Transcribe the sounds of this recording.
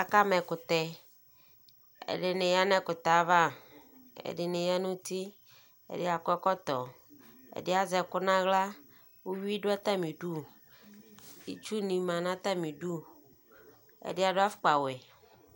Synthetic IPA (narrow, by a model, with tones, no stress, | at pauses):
a˨ka˦mɛ̃˨kʊ˨t̪ɛ˨ | ḛ˨ɖe˦nẽ˨ja˦nɛ̃˦kʊ˨t̪a˨˦va˦˨ | ḛ˨ɖe˨ne˨ja˦nũ˦t̪i˦ | ḛ˨de˦a˨kɛ˦kɔ˦t̪ɔ˨ | ḛ˨de˦a˨zɛ˨kʊ˦nã˦ɣla˦ | wo˦wu˦i˦ɖo˦a˦t̪a˦mĩ˨ɖu˦ | ḭ˨t͡ʃu˦nĩ˨mã˨nã˦t̪a˦mĩ˨ɖu˦ | ḛ˦˨de˦a˨do˦a˦fʊ̥˦k͡pa˨we˨